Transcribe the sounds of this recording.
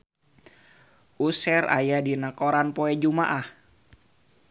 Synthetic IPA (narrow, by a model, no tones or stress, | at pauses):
ʔusɛɾa̰jadinakoɾanpoɛd͡ʒumaʔah